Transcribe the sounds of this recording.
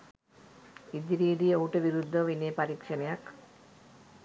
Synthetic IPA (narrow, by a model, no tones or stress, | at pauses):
id̪iɾiːd̪ijowʈɐʋiɾud̪ʱːɐʋineːpɐɾiːkʂɐnɐjak